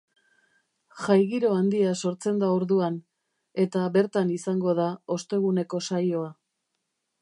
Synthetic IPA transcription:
ʝajɣiɾo̞and̪iaso̞ɾt͡se̞nd̪aoɾðuan | e̞t̪aβe̞ɾt̪anisaŋɡo̞ðao̞st̪e̞ɣ̞une̞ko̞sajo̞a

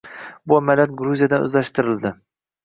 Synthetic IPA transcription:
bʊamalʲjat̪̚ɡɾuzijad̪anɵ̰zlaʃt̪ɪɾɪld̪ɪ

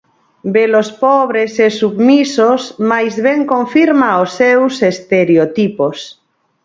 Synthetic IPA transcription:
belospɔβɾesesuβmisosmajzβeŋkõɱfiɾmaosːewsest̪eɾeot̪ipos

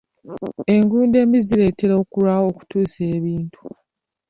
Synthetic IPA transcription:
e̞ŋɡuːnde̞ːmizile̞teɾo̞ːkuɾwaːwo̞ːku̥tuːse̞ːβiːntu̥

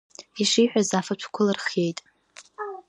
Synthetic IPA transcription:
iʂiħᶣazafat͡ʃʷʰkʷʰʊlɨrχe̞jtʼ

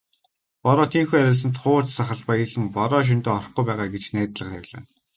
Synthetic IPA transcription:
pɔɾɔːt̪ʰiːŋxuːæɾʲɪ̆ɮs̬ə̆nt̪χʊ̥ːt͡ɕsaχə̆ɮpajɘ̆ɮɘ̆mpɔɾɔːʃ̬ɵnt̪ɔːɔr̆χɡujpæːʁaːɡet͡ɕnæːt̪ɮə̆χæ̰wʲɮa̰ː

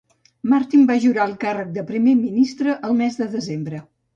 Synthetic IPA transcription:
maɾt̪imbaʒuɾaəlˠkarək̚d̪əpɾimeminist̪ɾəʔəlˠmɛzd̪əðəzembɾə

